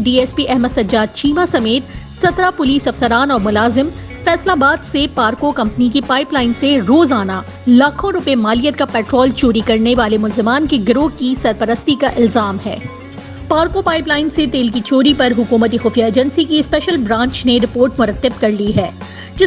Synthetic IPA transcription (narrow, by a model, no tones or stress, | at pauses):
ɖiːɛːspiʔɛɦməd̪sɐd͡ʒaːd̪̚t͡ʃʰiːmasɐmeːt̪sɐt̪ɾapʊliːsɐfsəɾaːnɔːɾmʊlaːzɪm | fɛːslabaːd̪sepaːɾkokɐ̃mpnik̬ipaːɪplaːɪnseɾoːzaːna | laːkʰõɾʊpemaːlijət̪̚kapɛːʈɾɔːlt͡ʃoːɾikɐɾneʋaːlemʊlzɪmaːnkeɡɾoːkisɐɾpəɾəst̪ikaʔɪlzaːmɦɛ̰ː | paːɾkopaːɪplaːɪnset̪eːlkit͡ʃoːɾipɐɾɦʊkuːmət̪̬ixʊːfijaeːd͡ʒə̃nsikiɪspɛːʃəlbɾãːɲt͡ʃneɾɪpoːɾʈmʊɾət̪ːɪb̚kɐɾliɦɛː | d͡ʒɪ